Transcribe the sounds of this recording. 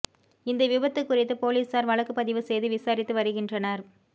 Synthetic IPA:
ɪnd̪ɐʋɪbɐt̪ːɯkːʊrɪt̪ːɯpoːliːsaːɾʋɐɭɐkːɯpːɐðɪʋɯsɛjðɯʋɪsaːɾɪt̪ːɯʋɐɾɯɣɪndrɐnɐɾ

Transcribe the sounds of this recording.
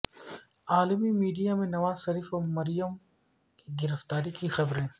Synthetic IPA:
aːlmimiːɖijamẽnɐʋaːzʃɐɾiːfɔmɐɾijəm | kiɡɪɾəft̪aːɾikixɐbɾẽː

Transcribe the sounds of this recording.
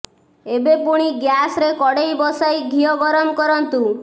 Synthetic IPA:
ebepuɽ̃iɡjasɾekɔɽejbɔsajɡʱijɔɡɔɾɔmkɔɾɔnt̪u

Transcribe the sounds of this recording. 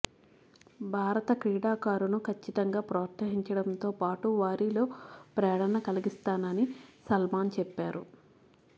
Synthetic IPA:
bʱaːɾɐt̪ɐkɾiːɽaːkaːɾunukʰɐt͡ʃːit̪ɐŋɡaːpɾɐːɾt̪sɐɦiɲt͡ʃɐɽɐnt̪o̞ːpaːʈuʋaːɾilo̞ːpɾɛːɐɽɐnɐkɐliɡist̪aːnɐnisɐlmaːnt͡ʃɛpːaːɾṵ

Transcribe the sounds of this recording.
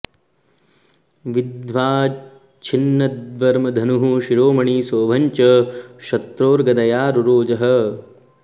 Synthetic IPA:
ʋid̪ʋaː | t͡ʃʰinːɐd̪ʋɐɾmɐd̪ʱɐnuɦuʃiɾoːmɐɳiːsoːʋʱɐɲt͡ʃɐʃɐt̪ɾoːɾɡɐd̪ɐjaːɾuɾoːd͡ʒɐɦɐ̆

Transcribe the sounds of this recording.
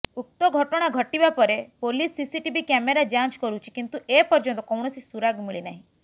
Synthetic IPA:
uk̚t̪ɔɡʱɔʈɔɽ̃aɡʱɔʈibapɔɾepolisːisiʈibikɛmeɾad͡ʒãt͡ʃkɔɾut͡ʃʰikint̪uʔepɔɾd͡ʒɔnt̪ɔkɔwɳ̃ɔsisuɾaɡmiɭinaɦĩ

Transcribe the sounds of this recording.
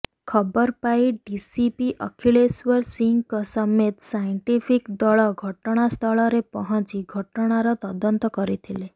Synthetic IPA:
kʰɔbɔɾpajɖisipiʔɔkʰiɭeswɔɾsiŋkɔsɔmet̪sajɳʈipʰikd̪ɔɭɔɡʱɔʈɔɽ̃ast̪ʰɔɭɔɾepɔɦɔ̃t͡ʃiɡʱɔʈɔɽ̃aɾɔt̪ɔd̪ɔnt̪ɔkɔɾit̪ʰile

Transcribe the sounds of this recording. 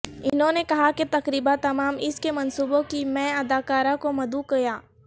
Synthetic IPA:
ɪnɦõːnekɐɦaket̪ɐkɾiːbat̪ɐmaːmɪskemɐnsuːbõkimɛ̃ɐd̪aːkaːɾãkomɐd̪ukɐjaː

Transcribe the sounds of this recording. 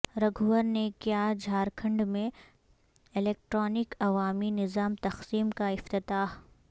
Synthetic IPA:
ɾɐɡʱuwəɾnekjaːd͡ʒʱaːɾkʰɐ̃ɳɖmẽ | ɪleːk̚ʈɾɔːnɪkɐʋaːminɪzaːmt̪ɐxsiːmkaɪft̪ɪt̪aːɦ

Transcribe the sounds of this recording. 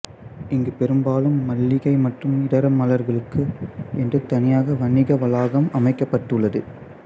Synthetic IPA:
ɪŋɡɯpɛɾɯmbaːlɯmːɐlːɪɣɐɪmɐʈrɯmɪɽɐɾɐmːɐlɐɾɣɐɭɯkːɯɛndrɯt̪ɐnɪjaːɣɐʋɐɳːɪɣɐʋɐlaːɣɐmɐmɐɪkːɐpːɐʈːɯɭːɐðɯ

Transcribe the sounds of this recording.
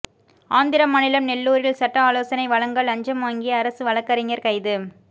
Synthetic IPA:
aːnd̪ɪɾɐmːɐnɪlɐmnɛlːuːɾɪlsɐʈːɐaːloːsɐnɐɪʋɐɭɐŋɡɐɭɐɲd͡ʒɐmaːŋɡɪjɐːɾɐsɯʋɐɭɐkːɐɾɪŋɐɾkɐɪðɯ

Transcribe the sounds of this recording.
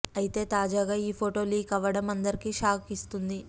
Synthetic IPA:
ɐjit̪e̞ːt̪aːd͡ʒaːɡaːiːpʰoʈo̞ːliːɡɐʋɐɽɐmɐnd̪ɐɾikiːʃaːkist̪und̪i

